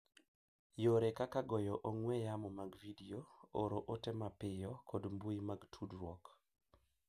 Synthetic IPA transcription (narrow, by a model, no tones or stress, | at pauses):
joɾɛkakaɡɔjɔʔoŋwɛjamɔmaɡvidiooɾoʔotɛmapɪjɔkɔdmbuimaɡtʰudɾwɔk